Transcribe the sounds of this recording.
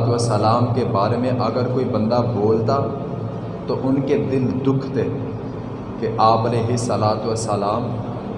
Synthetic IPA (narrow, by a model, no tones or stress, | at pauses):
t̪əsəlaːmkebaːɾemẽʔɐɡəɾkoːibɐ̃nd̪aboːlt̪a | t̪oʔʊnked̪ɪld̪ʊkʰt̪e | keʔaːpəleːɦɪsːəlaːt̪ʋəsəlaːm